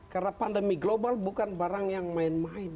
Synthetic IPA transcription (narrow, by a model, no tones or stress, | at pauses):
karnapandəmiɡlobalbukanbaɾaŋjaŋmaɪnmaɪn